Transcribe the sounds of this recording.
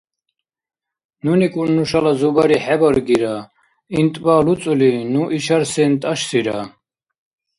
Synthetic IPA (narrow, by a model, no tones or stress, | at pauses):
nunikʼunːuʃalazubaɾiħɛbɔɾɡiɾa | int̪ʼbalut͡s̪ʼulinuʔiʃaɾsɛnt̪ʼaʃsiɾa